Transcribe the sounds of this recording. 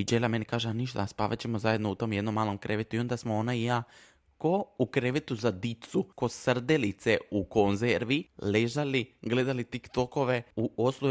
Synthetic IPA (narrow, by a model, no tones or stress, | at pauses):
id͡ʒelame̞nikaːʒeaniʃt̪aspa̰ʋa̰t͡ɕemozaje̞d̪nout̪o̞mje̞d̪nomːaːlo̞mkɾʔe̞ʋet̪uio̞nd̪asmoonaija | ko̞ukɾeʋet̪uzad̪it̪sukosr̩d̪elit̪seukonzeɾʋileʒaliɡle̞d̪alit̪ikt̪o̞ko̞ʋeuoslˠu